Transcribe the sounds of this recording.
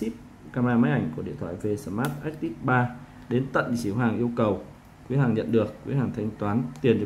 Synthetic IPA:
i˦˥p̚ | kaː˧m˧aː˧maː˨˦˥jʔa˧˩jŋ̟ku˧˩ḭ˧ət̪ʰwa̰ː˧˨jve˧sə˧˩maː˦˥t̚ʔa˦˥k̚t̪i˦˥k̚ɓaː˧ | ɗe˨˦nt̪ə̰˧˨nt͡ɕi˨˦əwɦaː˨˩ŋʔi˧əwkə˨˩w | kwi˨˦ɦaː˨˩ŋɲə̰˧˨nɗɨ˨˩əkːwi˨˦ɦaː˨˩ŋt̪ʰa˧jŋ̟t̪waː˨˦nt̪i˨˩ənɗ

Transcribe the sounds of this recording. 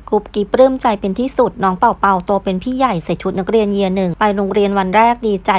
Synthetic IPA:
kʰu˦˥p̚ki˦˥p̚ɾɯː˥˩mt͡ɕa˧jpe˧nt̪ʰiː˥˩su˨˩t̪̚nɔː˨˦˥ŋpa˨˩wpa˧wt̪u˧əpe˧npʰiː˥˩ja˨˩jsa˨˩t͡ɕʰu˦t̪̚na˦˥k̚ɾi˧ənji˧ənɯ˨˩ŋpa˧jɾoː˧ŋɾi˧ənwa˧nɾɛː˥˩k̚diː˧t͡ɕa˧˩

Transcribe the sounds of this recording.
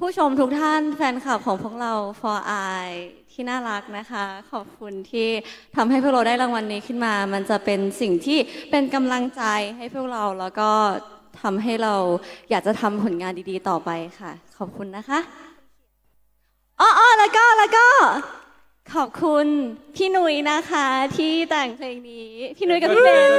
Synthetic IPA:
pʰuː˥˩t͡ɕʰo˧mt̪ʰu˦˥k̚t̪ʰa˥˩nfɛː˧nkʰa˨˩p̚kʰɔː˩˦ŋpʰu˥˩ək̚ɾa˧wfɔː˧ʔaː˧jt̪ʰiː˥˩naː˥˩ɾa˦˥k̚na˦˥kʰa˦˥kʰɔː˨˩p̚kʰu˧nt̪ʰiː˥˩t̪ʰa˧mha˥˩jpʰu˥˩kɾa˧daː˥˩jɾa˧˦ŋwa˧nːiː˦˥kʰɯ˥˩nmaː˧ma˧nt͡ɕa˨˩pe˧nsi˨˩ŋt̪ʰiː˥˩pe˧nka˧mla˧ŋt͡ɕa˧jɦa˥˩jpʰu˥˩ək̚ɾa˧wlɛː˦˥wkɔː˥˩t̪ʰa˧mɦa˥˩jɾa˧wjaː˨˩k̚t͡ɕa˨˩t̪ʰa˧mpʰo˨˩˦nŋaː˧ndiː˧diː˧t̪ɔː˨˩pa˧jxʰa˥˩kʰɔː˨˩p̚kʰu˧nːa˦˥kʰa˦˥ʔ | ʔɔː˧˩ʔɔː˧˩lɛː˦˥wkɔː˥˩lɛː˦˥wkɔː˥˩ | kʰɔː˨˩p̚kʰu˧np̪ʰiː˥˩nu˦˥jna˦˥kʰa˦˥t̪ʰiː˥˩t̪ɛː˨˩ŋpʰleː˧ŋniː˦˥p̪ʰiː˥˩nu˧˦˥jka˨˩ppʰi˥peː˧

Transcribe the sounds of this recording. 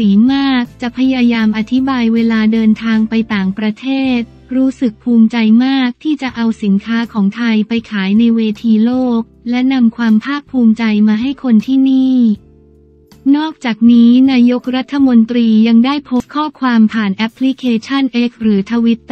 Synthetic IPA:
iː˩˦maː˥˩k̚t͡ɕa˨˩ʔpʰa˧jaː˧jaː˧mʔa˨˩t̪ʰi˦˥baː˧jweː˧laː˧dɤː˧nt̪ʰaː˧ŋpa˧jt̪aː˨˩ŋpɾa˧t̪ʰeː˥˩t̪̚ | ɾuː˦˥sɯ˨˩k̚pʰuː˧mt͡ɕa˧jmaː˥˩k̚t̪ʰiː˥˩t͡ɕa˨˩ʔa˧wsi˩˦nkʰaː˦˥kʰɔː˩˦ŋt̪ʰa˧jpa˧jkʰaː˩˦jna˧jweː˧t̪ʰiː˧loː˥˩k̚lɛ˦˥na˧mkʰwaː˧mpʰaː˥˩pʰːuː˧mt͡ɕa˧jmaː˧ɦa˥˩jkʰo˧nt̪ʰiː˥˩niː˥˩ | nɔː˥˩k̚t͡ɕaː˨˩k̚niː˦˥naː˧jo˦˥k̚ɾa˦˥t̪ʰːa˧mo˧nt̪ɾiː˧ja˧ŋdaː˥˩jpʰo˦˥st̪̚kʰɔː˥˩kʰwaː˧mpʰaː˨˩nʔɛ˦˥pʰːli˦˥kʰeː˧t͡ɕʰa˥˩nʔeː˦˥k̚ɾɯː˩˦t̪ʰa˧wi˦˥t̪̚

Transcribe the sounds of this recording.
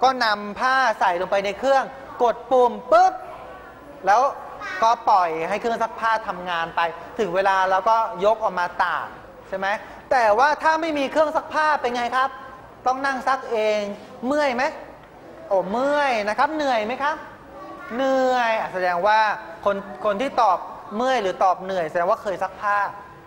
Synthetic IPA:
kɔː˥˩na˧mpʰaː˥˩sa˨˩jlo˧ŋpa˧jna˧jkʰɯ˥˩əŋ | ko˨˩t̪̚puː˧˩mpɯ˦˥p̚ | lɛː˦˥w | kɔː˥˩pɔ˨˩jha˥˩jkʰɯ˥˩əŋsa˦˥k̚pʰaː˥˩t̪ʰːa˧mŋaː˧npa˧jt̪ʰɯ˨˩˦ŋweː˧laː˧lɛː˦˥wkɔː˥˩jo˦˥k̚ʔɔ˨˩k̚maː˧t̪a̰ː˨˩m | t͡ɕʰa˥˩ma˦˥j | t̪ɛː˨˩waː˥˩t̪ʰaː˥˩ma˥˩jmiː˧kʰɯ˥˩əŋsa˦˥k̚pʰaː˥˩pːa˧nŋa˧jkʰa˦˥p̚ | t̪ɔ˥˩ŋna˥˩ŋsa˦˥k̚ʔeː˧ŋ | mɯ˥˩əjma˦˥j | ʔoː˧˩mɯ˥˩əjna˦˥kʰa˦˥p̚nɯ˨˩əjma˦˥jkʰa˦˥p̚ | nɯ˧˩əjʔa˨˩sa˧dɛː˧ŋwaː˥˩kʰo˧nkʰo˧nt̪ʰiː˥˩t̪ɔː˨˩p̚mɯ˥˩əjɾɯː˩˦t̪ɔː˨˩p̚nɯ˨˩əjsa˧dɛː˧ŋwaː˥˩kʰɤː˧jsa˦˥k̚pʰaː˥˩

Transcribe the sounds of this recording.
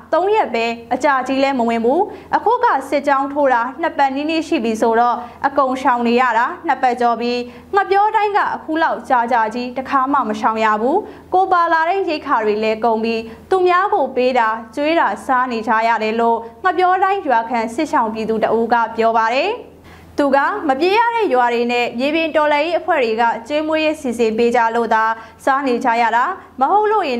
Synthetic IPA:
t̪õ˦ʊ̃jɛ˦ʔpːɛ˦ʔət͡ɕa˨d͡ʑi˦lɛ˦məwɪ̃˨mbu˦ʔəkʰṵ˦˨ɡä̰˦˨sɪ˦ʔt͡ɕã˦ʊ̃ntʰo˦ɾa˨n̥ə˦pɛ˦˨ni˦nḛ˦˨ʃḭ˦˨bji˨so˨ɾɔ˦˨ʔəkõ˨ʊ̃ʃã˨ʊ̃ne˨ja̰˦˨ɾa˨n̥ə˦˨pɛ˦˨t͡ɕɔ˨bji˦ | ŋ̥ə˦˨pjɔ˦tã˦ɪ̃ŋɡa̰˦˨ʔəkʰṵ˦˨la˦ʊʔt͡ɕa˨d͡ʑa˨d͡ʑi˦təkʰa˦˨mä̰˦˨məʃã˨ʊ̃ja̰˦˨bu˦ | ko˨pa˨la˨ɾẽ˦je˦ɪkʰa˨dwe˨lɛ˦kõ˨ʊ̃mbji˦t̪u˨mja˦ɡo˨pe˦da˨t͡ɕwe˦ɾa˨sa˦ne˨d͡ʑa̰˦˨jä̰˦˨ɾɛ˨lo˦˨ŋ̥ə˦˨pjɔ˦tã˦ɪ̃jwa˨kʰã˨sɪ˦ʔʃã˨ʊ̃mp̬ji˨d̪u˨təʔu˦ɡä̰˦˨pjɔ˦βa˨ɾɛ˨ | t̪u˨ɡä̰˦˨məpje˦jä̰˦˨ɾɛ̰˦˨jwa˨ɾe˨nɛ̰˦˨mje˨bjɪ̃˨ntɔ˨lɛ̃˨je˦ʔəpʰwɛ̰˦˨dwe˨ɡa̰˦˨t͡ɕwe˦mwe˦je˦si˨zɪ̃˨mpe˦d͡ʑa˦˨lo̰˦˨d̪a˨ | sa˦ne˨d͡ʑa̰˦˨jä̰˦˨da˨ | məɦo˦ʊʔlo̰˦˨jɪ̃˨

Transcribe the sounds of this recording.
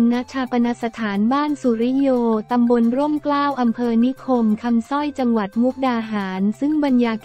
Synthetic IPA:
ŋna˦˥t͡ɕʰaː˧pa˧na˦˥sa˧t̪ʰaː˩˦nbaː˥˩nsu˨˩˦ɾi˦˥joː˧t̪a˧mbo˧nɾu˥˩mklaː˥˩wʔa˧mpʰɤː˧ni˦˥kʰo˧mkʰa˧msɔ˥˩jt͡ɕa˧ŋwa˨˩t̪̚mu˦˥k̚daː˧ɦaː˩˦nsɯ˥˩ŋba˧njaː˧k

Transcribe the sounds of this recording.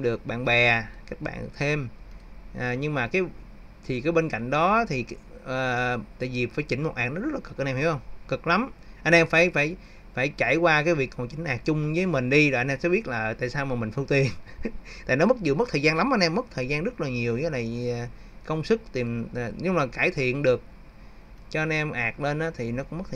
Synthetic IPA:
ɗɨ˨˩ək̚ɓa̰ː˧˨nɓɛ˨˩ka˦˥k̚ɓa̰ː˧˨nt̪ʰe˧mʔːɲɨ˧ŋmaː˨˩kaː˨˦j | t̪ʰi˨˩kaː˨˦jɓe˧nka̰˧˨jŋ̟ɗɔ˨˦˨t̪ʰiː˨˩˨ | t̪a̰ː˧˨jvi˨˩faː˧˩˦jt͡ɕï˧˩ŋ̟mo˨˩t̚ʔaː˨˩nɔ˨˦zə˦˥laː˨˩kɨ˨˩k̚ʔa˧nʔɛ˧mhi˧˥whə˧wŋ͡mkɨ˨˩k̚la˨˦mʔa˧nʔɛ˧mfaː˧˩jfaː˧˩j | faː˧˩jt͡ɕaː˧˩jkwaː˧kaː˨˦jvi˨˩ək̚kɔ˨˩t͡ɕï˧˩˦ŋ̟ʔaː˨˩k̚t͡ɕʊ˧ŋ͡mvəː˨˦jmï˨˩ŋ̟ɗi˧zɔː˨˩ʔa˧nʔɛ˧msɛ˧˥ɓi˦˥t̚laː˨˩t̪a̰ː˧˨jsaː˧wmaː˨˩mï˨˩ŋ̟fɨ˧ŋt̪i˨˩ənt̪a̰ː˧˨nɔ˨˦mə˦˥t̚zu˨˩mə˦˥t̪ʰəː˨˩zaː˧nla˨˦mʔa˧nʔɛ˧mːə˦˥t̚t̪ʰəː˨˩jzaː˧nzt̚laː˨˩ɲi˨˩əwzəː˨˦jna˨˩j | kə˧wŋ͡msɨ˦˥k̚t̪i˨˩mː˨˩ɲɨ˧mlaː˨˩kaː˧˩jt̪ʰḭ˧˨ənɗɨ˨˩ək̚ | t͡ɕɔ˧ʔa˧nʔɛ˧mʔaː˨˩k̚le˧nʔaː˨˦t̪ʰi˨˩nɔ˨˦kʊ˧ŋ͡mm˦˥t̪̚ʰ

